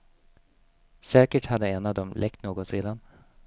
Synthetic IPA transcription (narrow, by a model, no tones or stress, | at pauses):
sɛːkəʈhad̪ːəɛnːavd̪ɔmlʔɛk̚t̪noːɡɔt̪ɾeːd̪an